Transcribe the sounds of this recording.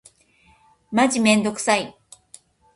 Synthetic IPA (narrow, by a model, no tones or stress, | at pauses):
maʑimẽ̞nd̪o̞kɯ̥sai